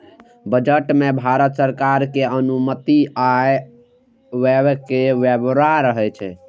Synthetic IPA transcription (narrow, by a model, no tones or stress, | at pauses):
bəd͡ʒəʈmebʱaɾət̪səɾkaɾkeənumət̪iaj | webkeʋebɾaɾəɦɛt͡ʃʰɛ̰